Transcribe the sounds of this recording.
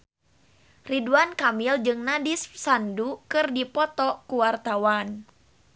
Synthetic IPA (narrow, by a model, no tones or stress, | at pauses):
riduankamild͡ʒɨŋnadissandukɨrdipɔt̪ɔkuwart̪awan